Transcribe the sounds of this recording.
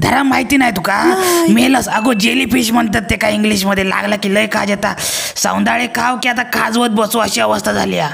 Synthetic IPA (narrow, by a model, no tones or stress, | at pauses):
d̪ʱəɾamaɦit̪iːnaɦjt̪ukameləsəɡod͡ʑelipiɕm̤əɳt̪at̪ːekaiŋɡliɕməd̪ʱjela̰ɡlakiləjka̰d͡ʑɛt̪asã̰w̃nd̪aɭekʰawkiat̪akʰad͡zʋət̪̚bəsoəɕiəʋəst̪ʰad͡zʱa̰lia